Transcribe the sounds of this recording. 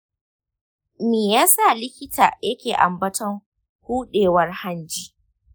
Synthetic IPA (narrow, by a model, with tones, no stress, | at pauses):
meː˨jaː˦sa˦˨lɪ˦kʲɪ˦tʰa̰ː˨jɐ˦kʲeː˨ʔa̰˨mbɐ˦tɔ˦ŋ | huː˦ɗeː˨wɐ˦rha˦nd͡ʒiː˦